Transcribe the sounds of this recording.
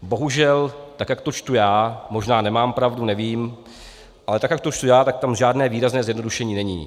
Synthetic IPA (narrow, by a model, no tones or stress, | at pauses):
bo̞ɦuʒɛlt̪akjak̚t̪ot͡ʃt̪ujaːmo̞ʒnaːnɛmaːmpɾavdunɛviːm | ʔalɛt̪akjak̚t̪ot͡ʃt̪ujaːt̪ak̚t̪amʒaːdnɛːviːɾaznɛːzjɛdnoduʃɛɲiːnɛɲḭː